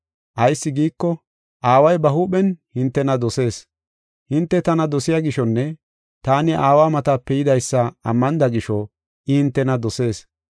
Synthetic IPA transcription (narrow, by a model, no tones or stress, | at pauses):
ʔɐjsːɪɡiːkːɔ | ʔaːwɐjbɐɦuːɓɛnhɪnt̪ːɛnɐd̪ɔse̞ːs | hɪnt̪ːɛt̪ɐnɐd̪ɔsɪjaɡɪʃɔnːɛ | t̪aːnɪʔaːwaːmɐt̪aːpːɛjɪd̪ɐjsːɐɐ̰mːɐnd̪ɐɡɪʃɔ | ʔɪhɪnt̪ːɛnɐd̪ɔse̞ːs